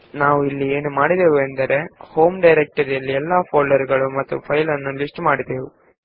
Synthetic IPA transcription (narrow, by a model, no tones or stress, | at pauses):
naːʋuilːieːnumaːɽid̪eːʋuend̪ɐɾe̞hoːmɖɐjɾek̚ʈɐɾijɐlːiɛlːaːpʰoːɭɐɾɡɐɭumɐt̪ːṵpʰɐjlɐnːulisʈmaːɽid̪e̞ːʋu